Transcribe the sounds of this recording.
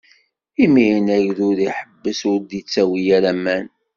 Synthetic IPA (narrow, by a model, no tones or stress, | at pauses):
iminæʝðʊɾiħəbːəsʊɾd̪it͡sːæwijæɾæmːæn